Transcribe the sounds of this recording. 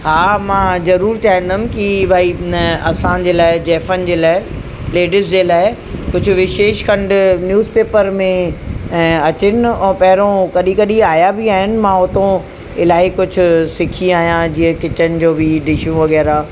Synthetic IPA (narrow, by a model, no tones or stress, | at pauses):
haːmãːzɐɾuːɾt͡ɕʰaːɦɪ̃n̆d̪əm̆kibʱaːiɐsãd͡ʑeːlaːɪd͡ʑɛːfənɪ̆d͡ʑeːlaːɪ | leːɖɪs̬d͡ʑeːlaːɪ | kʊd͡ʑʱʊ̆ʋɪʃeːʃkɐ̃ɳɖnjuːzpeːpəɾmẽ | ɐt͡ɕɪnɪɛ̃ːpɐɦɪɾõkɐɗĩkɐɗĩaːjabʱiaːɦɪnɪ̆mãːʊt̪õ | ɪlaːikʊd͡ʑʱʊ̆sɪkʰiaːɦijãd͡ʑiːə̃kɪt͡ɕənɪ̆d͡ʑoːbɪɖɪʃũʋɐɣɛːɾa